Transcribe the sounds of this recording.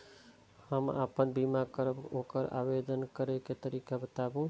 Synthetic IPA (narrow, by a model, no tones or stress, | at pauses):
həma̰pənbimakəɾəbokəɾa̰bed̪ənkəɾeket̪əɾikabət̪abũ